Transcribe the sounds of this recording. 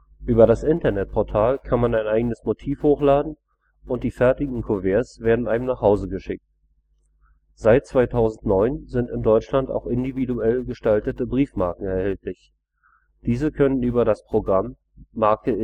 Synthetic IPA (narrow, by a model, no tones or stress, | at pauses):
ʔyːbɐɾasʔɪntɐnɛt̚pʰɔɐtʰaːlkʰanmanaɪnʔaɪɡənəsmotʰiːfhoːxlaːdn̩ | ʔʊntd̥iːfɛɐtɪɡŋ̩kʰovɛːɐsv̥eːɐdn̩ʔaɪnmnaːχhaʊzəɡəʃɪk̚t̚ | z̥aɪt̚t͡sv̥aɪtʰaʊzn̩tnɔʏnzɪntɪndɔʏt͡ʃlanta̰ʊxʔɪndividuɛlɡəʃtaltətəbʁiːfmaɐkŋ̩ɛɐhɛltlɪç | d̥iːzəkʰœnənyːbɐdaspʁ̥oɡʁamː | aɐkə